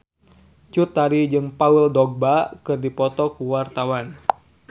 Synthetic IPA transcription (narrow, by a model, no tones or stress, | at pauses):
t͡ʃut̪ːaɾid͡ʒɨŋpawildɔɡ̚bakɨrdipɔt̪ɔkuwart̪awan